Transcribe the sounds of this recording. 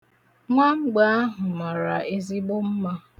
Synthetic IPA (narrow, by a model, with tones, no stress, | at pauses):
ŋʷa˦ŋ͡m̩˦ɡ͡ba˨˦a˦ɦʊ˨ma˨ɾa̰˨ʔe˦zi˦ɡ͡bo˦m̩˦ma˦